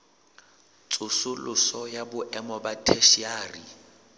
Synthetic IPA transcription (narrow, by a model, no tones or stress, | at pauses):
t͡sʼʊsʊlʊsɔjabʊʔɛmɔbatʰeʃiaːrḭ